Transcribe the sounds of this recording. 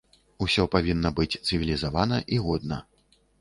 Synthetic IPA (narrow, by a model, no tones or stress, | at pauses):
usʲɔpavʲinːɐbɨt͡sʲt̪sɨvʲilʲizavanɐʔiɣɔd̪̚nɐ̰